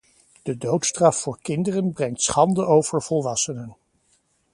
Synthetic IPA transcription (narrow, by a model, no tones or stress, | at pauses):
d̥ədowtstrɑfːʊːɹkɪndərənbrɛŋtsχɑndəʔowv̥əɹv̥ɔlˠʋɑsənən